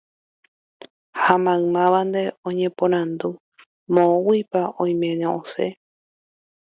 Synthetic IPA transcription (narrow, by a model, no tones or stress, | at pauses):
hamãɰmãʋand̪e̞õɲẽpõɾ̃ãnd̪u | mõwipaʔõj̃mẽɲãʔosḛ